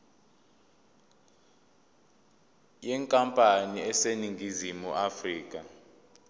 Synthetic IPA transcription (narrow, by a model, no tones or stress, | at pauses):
jɛŋkʼampʼaniɛseniŋɡʱizimuʔafriːk̬ʼa